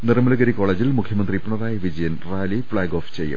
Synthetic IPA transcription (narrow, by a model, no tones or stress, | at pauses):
nirɐmɐlɐɣɐɾiko̞ːɭeːd͡ʑilmukʰjɐmɐnd̪ripːɐɳɐðaːjɐʋid͡ʑɐjɐnraːlifɭaːɡoːft͡ɕejːṵm